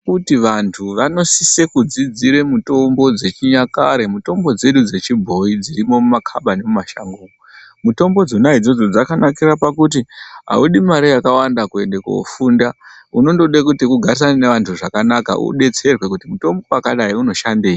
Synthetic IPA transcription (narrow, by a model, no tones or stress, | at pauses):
kutiʋantʰuʋano̞sise̞kud͡zid͡ziɾe̞muto̞mbo̞d͡ze̞t͡ʃiɲakaɾe̞muto̞mbo̞d͡ze̞ɗud͡ze̞t͡ʃibʱo̞id͡ziɾimo̞mumakʰaɓanemumaʃa̰ŋɡoːno | muto̞mbo̞d͡zonaid͡zo̞d͡zo̞d͡zakanakiɾapakut̬iɦa̰uɗimaɾijakawandakue̞nde̞ko̰funda | uno̞ndo̞ɗekutikuɡʱarisananeʋantʰuʐakanaka̰ʔṵɗe̞t͡se̞rwe̞kutimuto̞mbo̞wakaɗaiuno̞ʃandeːji